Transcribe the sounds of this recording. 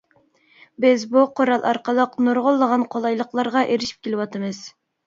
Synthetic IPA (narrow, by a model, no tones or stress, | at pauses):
bɪzbuqʰoɾɑlˠʔɑɾqʰəlˠəqnuɾʁʊlˠːəʁɑnqʰolˠɑjlˠəqlˠɑɾʁɑʔeɾɪʃi̥p̚kʲʰelɪwɑt̪ʰɨmɨz̥